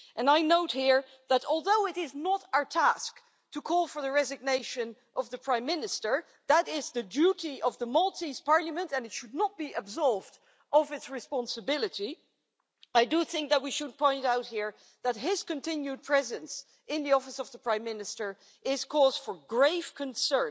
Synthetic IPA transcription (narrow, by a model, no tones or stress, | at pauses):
ʔɨ̃naɪnoʊt̚hiɹ | ðəɾɔlˠðoʊɪɾɪznəɾaə˞tʰæsk | tʰɨkʰɔlˠfə˞ðɨɹɛzɨɡ̚neɪʃɨ̃n | ʔʌvðəpʰɹ̥ãɪ̃mːɪnɨstə˞ | ðəɾɪzðɨduɾiʔʌvðəmɔlˠtiz̥pʰɑɹlˠəmɨ̃ntɨ̃nɨtʃɨdⁿnət̚b̥iʔɨbzɔɹvd | ʔʌvɨtsɹɨspɑ̃nsɨbɪlˠɨɾi | aɪdɨθɪ̃ŋk̚ðɨt̚wiʃɨd̚pʰɔ̃ɪ̃ntaʊt̚hiɹ | ðɨt̚ɦɪz̥kɨ̃ntɪ̃njʉd̚pʰɹ̥ɛzɨ̃ns | ɪ̃nðiɔfɨsʌvðəpʰɹ̥ãɪ̃mːɪnɨstə˞ | ʔɪz̥kʰɔzd̥fə˞ɡɹeɪv̥kʰɨ̃nsɜ̃˞